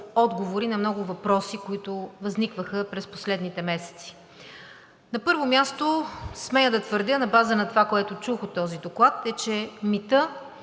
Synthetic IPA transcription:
ɔd̪ɡovoɾinɐmnɔɡʊvɐpɾɔsikoit̪ʊvɐznikvəxəpɾɛspo̥slɛd̪nit̪ɛmɛsɛ̥t̪si̥ | nɐpɤɾvomʲjast̪osmɛjəd̪ɐt̪vəɾd̪ʲjənɐbazənɐt̪ovakoɛt̪ʊt͡ʃuxot̪ːɔzid̪oklˠat̪ɛt͡ʃɛmit̪ə

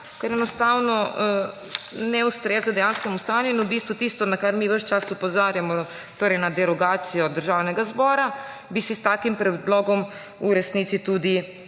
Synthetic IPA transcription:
kɛɾɛnɔst̪aːwnɔ | nɛust̪ɾeːznɔd̪ɛjanskɛmust̪aːnjuinubiːst̪ʋut̪ist̪ʋɔnakaɾmiʋəʃt͡ʃasupɔzaːɾjamɔ | t̪oːɾɛjnad̪ɛɾɔɡaːt̪sijɔd̪əɾʒaːwnɛɡazbɔːɾa | bisist̪aːkimpɾɛd̪lɔːɡɔm | uɾɛsniːt̪sit̪uːd̪i

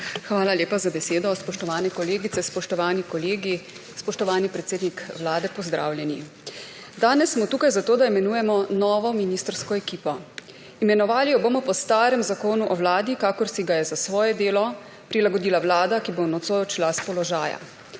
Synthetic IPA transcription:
xʋaːlalʲjeːpazabɛseːd̪ɔspɔʃt̪ɔʋaːnɛkɔleːɡit̪sɛspɔʃt̪ɔʋaːnikɔleːɡi | spɔʃt̪ɔʋaːnipɾɛt̪seːd̪nikʋlaːd̪ɛpɔzd̪ɾa̰ːwljɛni | d̪aːnɛsːmɔt̪uːkajzat̪oːd̪aimɛnuːjɛmɔnɔːʋɔminiːst̪ɾskɔɛkiːpɔ | imɛnɔʋaːlijɔboːmɔpɔst̪aːɾɛmzakoːnuʔɔwlaːd̪ikakɔɾsiɡajɛzasʋɔːjɛd̪eːlɔ | pɾilaɡɔd̪iːlawlaːd̪akibonɔt̪sojt͡ʃilaspɔlɔʒaːja̰

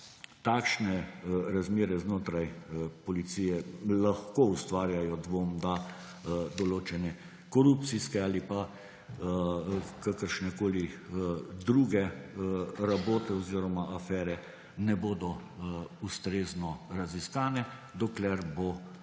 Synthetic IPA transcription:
t̪aːkʃnɛɾazmeːɾɛznoːt̪ɾajpɔlit̪sijɛlaxkoust̪ʋaːɾjajɔd̪ʋoːmd̪a | d̪ɔloːt͡ʃɛnɛ | kɔɾup̚t̪siskɛaːlipa | kakəɾʃnɛkoːli | d̪ɾuɡɛ | ɾaboːt̪ɛɔziːɾɔmaʔafɛːɾɛ | nɛboːd̪ɔ | ust̪ɾeːznɔɾaziskaːnɛd̪ɔklɛɾbo

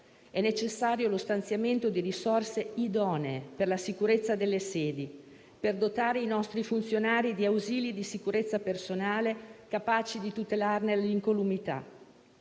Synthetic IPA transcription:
ɛnːet͡ʃesːaːɾjolost̪ant̪sjament̪od̪iɾisorseid̪ɔːneːperlasikuɾet̪sːad̪elːeseːd̪i | perd̪ot̪aːɾeinɔst̪ɾifunt̪sjonaːɾid̪iawziːlid̪isikuɾet̪sːapersonaːlekapaːt͡ʃid̪it̪ut̪elarneliŋkolumit̪a̰

